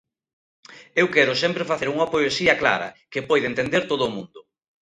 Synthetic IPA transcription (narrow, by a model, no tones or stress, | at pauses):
ewkɛɾʊsɛmpɾɪfaθeɾuŋɐpoesiɐkla̰ɾɐ̰kɪpɔjðent̪end̪eɾt̪oðʊːmũnd̪ʊ